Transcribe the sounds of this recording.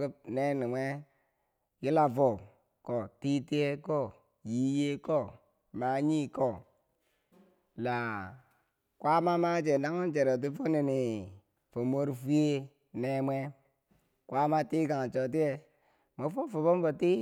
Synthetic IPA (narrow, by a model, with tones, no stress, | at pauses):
ku˦pne˦ni˨mʷe˦ | ji˦la˨vo˨ | ko˨ti˦ti˦e˦ko˦˨ | ji˦je˦ko˦˨ | ma˨˦ɲi˦ko˦˨ | la˨ | kwa˦ma˦ma˦d͡ʒe˨da˦ŋu˦n˦d͡ʒe˨ɾo˨t̬i˦fo˦ni˨ni˨ | fo˨mo˦ɾfu˦e˦ | ne˦mʷe˦ | kʔa˦ma˦ti˦ɡa˨ŋ˨t͡ʃo˨t̬i˦e˨ | mo˨˦fo˦fo˨bo˦m˦vo˨ti˦